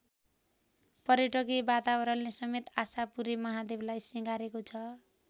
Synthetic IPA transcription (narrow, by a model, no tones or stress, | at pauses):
pʌɾjʌʈʌkebat̪abʌɾʌnlesʌmet̪asapuɾemʌɦad̪eblajsiɡaɾekot͡sʰʌ